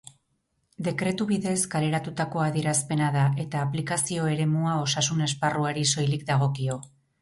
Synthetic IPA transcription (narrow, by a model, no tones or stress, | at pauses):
d̪e̞kɾe̞t̪uβiðe̞skale̞ɾat̪ut̪ako̞aðie̞ɾaspe̞naðaʔe̞t̪aːplikasio̞e̞ɾe̞muao̞sasune̞sparuaɾiso̞jlik̚d̪aɣ̞o̞kio̞